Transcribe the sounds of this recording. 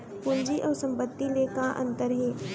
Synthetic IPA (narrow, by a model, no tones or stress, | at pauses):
pʊnd͡ʒiʔɔːɾsə̃mpət̪ːilekaʔə̰̃nt̪əɾɦeː